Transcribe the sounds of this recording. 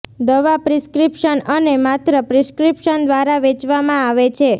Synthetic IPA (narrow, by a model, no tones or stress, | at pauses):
d̪əʋapɾiskɾipʃənənemat̪ɾəpɾiskɾipʃənd̪ʋaɾaʋet͡ʃʋamãaʋet͡ʃʰe